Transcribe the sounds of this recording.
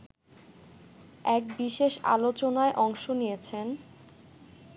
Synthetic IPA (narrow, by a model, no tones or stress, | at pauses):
ɛk̚biʃeʃa̰lot͡ɕonaeʔɔŋʃonijet͡ɕʰen